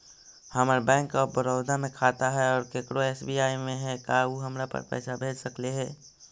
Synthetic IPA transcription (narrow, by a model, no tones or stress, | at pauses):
həməɾbɛ̃ːŋkɔːbəɾəʊd̪ʱamẽkʰaːt̪aɦɛɔːɾkekɽoeːsbijaːimẽɦɛkauɦəmɾapə̰ɾpɛ̰ːsabʱeːd͡ʒsəkleɦɛː